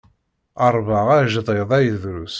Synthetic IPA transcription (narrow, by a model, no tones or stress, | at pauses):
əɾˤvəʁæʒðˤeðˤæjðɾus